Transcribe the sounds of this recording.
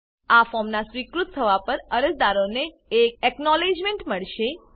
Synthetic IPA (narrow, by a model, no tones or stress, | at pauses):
afɔmnasʋikɾut̪t̪ʰːəʋapəɾəɾəsd̪aɾoneː | k̚ɛknɔled͡ʒmẽɳʈməɭʃe